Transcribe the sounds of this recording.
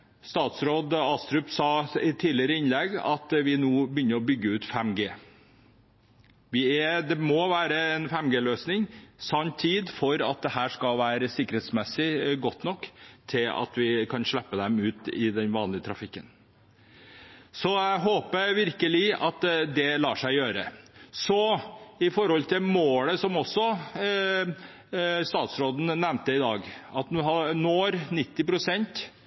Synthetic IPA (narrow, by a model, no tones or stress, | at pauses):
st̪ɑːt̪sɾoːd̪ɑst̪ɾʉpsɑːɪt̪ʰiːlɪəɾəɪnlɛɡɑ̰t̪ʋɪnoːbəjʏnːəɾɔbʏɡːəʉːt̪fɛmɡeː | ʋɪɛd̪ɛmɔʋæːɾəɛnfɛmɡeːløːsnɪŋsɑnt̪ʰːiːd̪fɔɾɑt̪̚d̪ɛhæːʂkɑlʋæːɾəsɪkːəɾhɛːt̪smɛsːɪɡɔt̪nɔkːt̪ʰɪlɑ̰t̪ʋɪkʰɑnʂɭɛpːəd̪ɛmʉːt̪ɪd̪ɛnʋɑːnlɪət̪ʰɾɑfɪkːən | sɔæɪɦoːpəɾʋɪɾkəlɪɑt̪d̪ɛlɑːʂæɪjøːɾəsɔɪfɔɾhɔlt̪ʰɪmoːləsɔmɔsːɔ | st̪ɑːt̪sɾoːd̪n̩nɛmnt̪əɪd̪ɑːɡɑt̪nuɦɑnoːɾnɪt̪ːɪpɾʊsɛnt̪